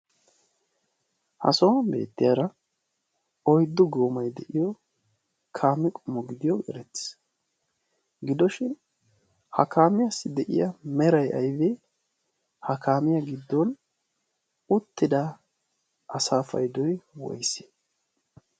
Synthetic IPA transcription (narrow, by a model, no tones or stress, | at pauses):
hɐ̰sɔwɐbe̞̰ːt̪ːɪjaɾɐ | ɔjd̪ːʊɡoːmɐjd̪ɛʔɪjɔ | kʰaːmːɪkʼɔmːɔɡɪd̪ɪjɔɡɛ̰ɾɛt̪ːɪ̥s | ɡɪd̪ɔʃɪn | hɐkʰaːmɪjasːɪd̪ɛʔɪ̰jɐmɛɾɐjʔɐ̰jveː | hɐkʰaːmɪjɐɡɪd̪ːɔn | ʊt̪ːɪd̪a | ʔɐsaːfɐ̰jd̪ɔjwɔ̰jse̥